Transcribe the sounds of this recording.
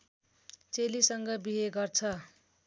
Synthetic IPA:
t͡selisʌŋɡʌbiɦeɡʌrt͡sʰʌ

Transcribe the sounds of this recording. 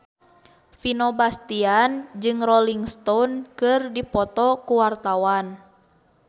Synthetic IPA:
finɔbast̪iand͡ʒɨŋrɔliŋst̪ɔnkɨrdipɔt̪ɔkuwart̪awan

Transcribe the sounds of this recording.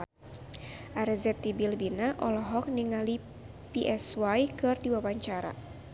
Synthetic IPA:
ʔaɾɛzɛt̪ːibilbinaʔɔlɔɦɔk̚niŋali | piʔɛswajkɨrdiwawaɲt͡ʃaɾa̰

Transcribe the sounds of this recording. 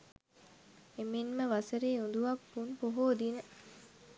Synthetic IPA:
eminməʋasəɾiːund̪uʋapːunpoɦoːd̪inə

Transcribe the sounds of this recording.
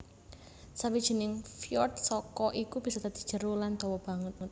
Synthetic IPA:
sawid̥ʒ̥i̤nɪŋfjɔrt̪̚sɔkɔʔikub̥isɔt̪ad̪̥i̤̥ʒ̥ə̤ɾolant̪ɔwɔb̥a̤ŋət̪̚

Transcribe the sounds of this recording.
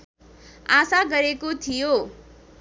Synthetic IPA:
asaɡʌɾekot̪ʰijo

